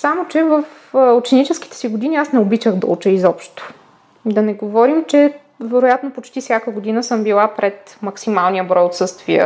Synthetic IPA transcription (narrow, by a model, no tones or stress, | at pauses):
samot͡ʃɛvəf | ot͡ʃɛnit͡ʃɛski̥t̪ɛ̥siɡod̪iniasnɛobit͡ʃəxd̪ɐ̰ṵt͡ʃɛizɔpʃt̪o̥ | d̪ɐnɛɡovɔɾimt͡ʃɛ | vɛɾojat̪nopot͡ʃt̪ifsʲjakəɡod̪inəsɤmbilˠapɾɛt̪mɐksimalˠnijəbɾɔjot̪sɤst̪viə̰